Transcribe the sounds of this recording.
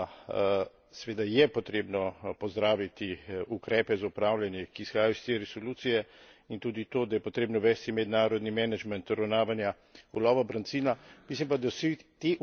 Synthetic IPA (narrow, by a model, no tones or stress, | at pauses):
sɛʋeːd̪ajɛpɔt̪ɾeːbnɔpɔzd̪ɾaːʋit̪iukɾɛːpɛzaupɾaːwlʲjanjɛkiːsxaːjajɔist̪eɾɛsɔluːt̪sijɛ | int̪uːd̪it̪oːd̪ajɛpɔt̪ɾeːbnɔʋɛst̪imɛd̪naːɾɔd̪nimɛnad͡ʒmɛnt̪ɔɾawnaːʋanja | ɡɔlɔʋabɾɐnsiːnamislimpad̪awsit̪eʔ